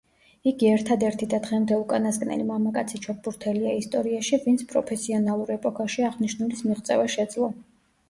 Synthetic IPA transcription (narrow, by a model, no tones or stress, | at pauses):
iɡiɛɾt̪ʰad̪ɛɾt̪ʰid̪ad̪ʁɛmd̪ɛukʼanaskʼnɛ̰limamakʼat̪sʰit͡ʃʰɔp̚buɾt̪ʰɛliaist̪ʼɔɾiaʃivint̪sʰpʼɾɔpʰɛsiɔnalˠuɾɛpʼɔkʰaʃiaʁniʃnulismiʁt̪sʼɛ̰vaʃɛd̪zlˠɔ